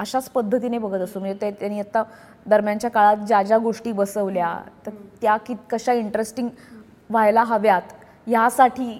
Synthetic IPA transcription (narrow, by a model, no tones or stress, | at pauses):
əɕat͡spəd̪ʱːət̪̬inebəɡʱət̪əsum̤əɳd͡ʑet̪et̪jañiːat̪ːa | d̪əɾmjaɲt͡ɕjakaɭat̪̚d͡ʑad͡ʑjaɡoʂʈiːbəsəʋlja̰t̪əɾt̪jakit̪kəɕaiɳʈɾesʈiŋɡ | ʋajlaɦəʋjat̪ | jasaʈʰiː